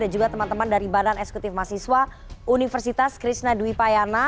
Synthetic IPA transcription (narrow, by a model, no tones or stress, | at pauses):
dad͡ʒuɡat̪əmant̪əmandaɾibalanɛksɛ̥kut̪ɪfmasiswa | ʔunifərsit̪askɾisnaduipajana